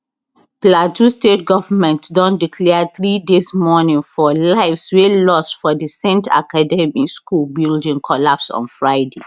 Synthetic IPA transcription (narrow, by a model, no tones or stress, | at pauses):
platʰustetɡɔvəmɛ̃ntdɔ̃ndikʰlɛəθɹidesmɔnĩŋfɔlaɪfswelɔstfɔdəsẽntʰa̰kʰadɛmiskulbildĩŋkʰɔlapsɔ̰̃nfɹaɪde